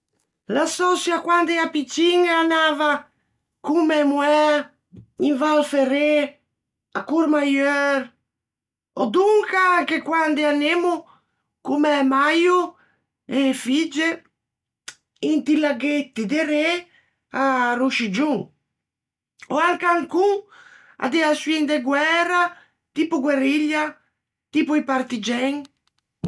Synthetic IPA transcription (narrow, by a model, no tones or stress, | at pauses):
lasɔsjakwand̪ɛapit͡ʃiŋaːnaːva | kumɛmuɛ | iɱvalfere | akuɾmajœɾ | ɔd̪uŋkaaŋkekwand̪eanemu | kumɛmaju | efid͡ʒe | int̪ilaɡet̪ːid̪eɾe | aruʃid͡ʒu | oalkaŋkuŋ | a̰d̪easind̪eɡwɛra | t̪ipuɡweriʎːa | t̪ipuipaɾt̪id͡ʒɛŋ